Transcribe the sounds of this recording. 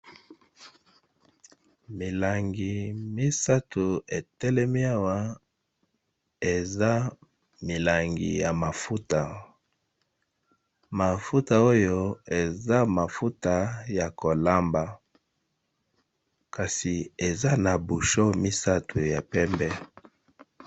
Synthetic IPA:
mi˨la˨ŋɡi˨mi˦sa˦tʰu˨e˨tɛ˦lɛ˦mi˦a˦wa˦ | e˨za˦ | mi˨la˨ŋɡḭ˨ja˨ma˨fu˦ta˨ | ma˨fu˦ta˨o˦jo˦e˨za˦ma˨fu˦ta˨ja˨ko˨la˦mba˨ | ka˨si˨e˨za˦na˨bu˨ʃo˦mi˦sa˦tʰu˨ja˨pɛ˦mbɛ˦

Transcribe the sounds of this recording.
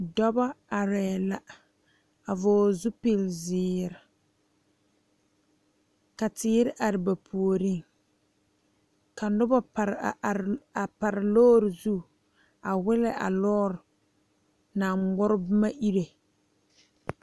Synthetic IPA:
dɔ˦ba˦a˨ɾɛː˨la˨ | a˨vʊː˨˦zu˦pɪ˦lzɪː˨˦ɾɪ˨ | ka˨tɪː˦ɾɪ˦ʔa˨ɾɪ˨ba˨pʰu˨o˨ɾi˦˨ŋ | ka˨nʊ˦ba˦a˨ɾa˨pa˨ɾɪ˨lɔː˦ɾɪ˨zu˦˨ | a˨wɪ˦lɪ˦ʔa̰˨lɔː˦ɾɪ˨ | na˨ŋɡ͡bʊ˦ɾɪ˦bɪ˦ma˦ʔi˦ɾe˨

